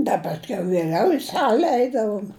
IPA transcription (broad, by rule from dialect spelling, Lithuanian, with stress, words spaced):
ˈdɐ pɐsʲˈkʲɛʊ ʋʲiɛˈlʲɛʊ ɪ ˈsɑːlʲɛ ˈɛɪdɐʋoːm